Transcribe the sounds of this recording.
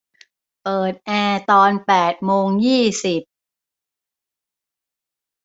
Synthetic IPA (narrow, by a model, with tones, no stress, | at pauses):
pɤː˨˩t̪̚ʔɛː˧t̪ɔː˧npɛː˨˩t̪̚moː˧ŋjiː˥˩si˨˩p̚